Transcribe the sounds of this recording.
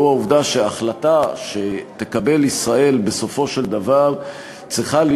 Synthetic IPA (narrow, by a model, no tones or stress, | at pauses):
uauvd̪aʃeaχlataʃe̞t̪e̞kabe̞lisʁae̞lbe̞so̞fo̞ʃe̞ld̪avaʁ | t͡sʁiχal